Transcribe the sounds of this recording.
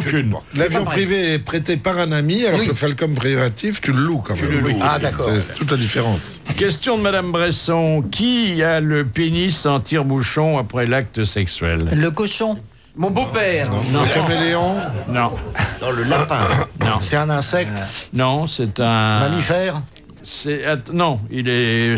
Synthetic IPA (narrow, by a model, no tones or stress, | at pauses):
okynlavjɔ̃pχiveɛpχet̪epaʁɛ̃namialɔʁkləfalkɔmpχivat̪ift̪yləlukɑ̃mləad̪akɔɛsɛt̪ut̪̬lad̪ifeʁɑ̃s | kʲɛst̪jɔ̃d̪əmad̪ambʁɛsɔ̃kʰʲialəpenisɑ̃t̪ʰiʁbuʃɔ̃apχɛlak̚t̪əsɛksɥɛ̰lləkɔʃɔ̃ | mɔ̃bopɛːʁ̃nɔ̃kãmeleɔ̃nɔ̃d̪̥ɑ̃ləlapɛ̃ɔ̃sɛt̪ɛ̃nɛ̃sɛk̚t̪nɔ̃sɛt̪ɛ̃mamifɛːʁ | sɛat̪nɔ̃ilɛ